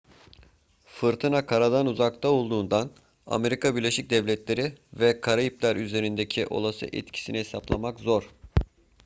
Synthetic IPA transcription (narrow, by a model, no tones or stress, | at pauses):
fɯɾt̪ʰɯnakʰaɾad̪anuzakt̪ʰao̞lˠd̪uːnd̪an | a̰me̞ɾikabiɾlʲe̞ʃic̚d̪ɛvlʲɛt̪lʲe̞ɾivɛkʰaɾaiplʲæɾyze̞ɾind̪ecʰiʔo̞̰lˠasɯ̰ʔɛ̰t̪cʰi̥sinihesaplˠamakzo̞ɾ̥